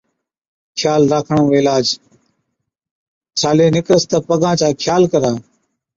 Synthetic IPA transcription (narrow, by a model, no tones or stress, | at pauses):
kʰjaːlɾaːkʰəɳõːeːlaːd͡ʒ | t͡ʃʰaːleːnɪkɾəst̪əpəɠãːt͡ʃaːkʰjaːlkəɾãː